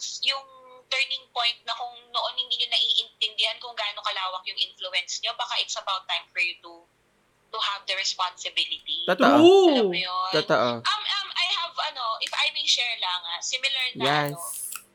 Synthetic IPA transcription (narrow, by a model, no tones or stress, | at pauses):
sjʊŋt̪ɛɹnɪŋpõjnt̪̚nɐkʊŋnoʔo̞nhɪnd̪iɲʊnɐʔiʔɪnt̪ɛnd̪ɪhankʊŋɡaːnokɐlaːwɐk̚jʊŋʔɪnfluɛnsɲo̞baːkaʔɪt̪sɐbawt̪ːajmfɔɹjut̪u | t̪uhɐvd̪ɐɹɛspansɪbɪlɪt̪it̪at̪ɐʔajot̪at̪ɐʔoʔɐmʔɐmʔɐjhɐvʔɐno̞ʔɪfɐjmejʃɛɹlɐŋasɪmɪlɐɹnjɐɛno